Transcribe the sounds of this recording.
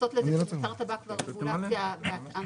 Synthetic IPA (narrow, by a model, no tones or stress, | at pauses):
ot̪leaʁt̪abakvaʁvulaaveata